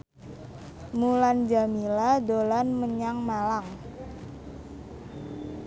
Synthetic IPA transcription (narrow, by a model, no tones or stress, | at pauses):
muland͡ʒamiladolanməɲaŋmalaŋ